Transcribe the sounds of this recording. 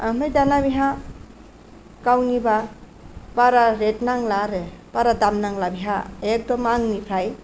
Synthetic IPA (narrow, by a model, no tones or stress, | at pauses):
amɯjdanabiɦa | kawniba | paɾaɾetnaŋlaɾɯpaɾadamnaŋlabiɦajak̚dɔmaŋnipʰɾaj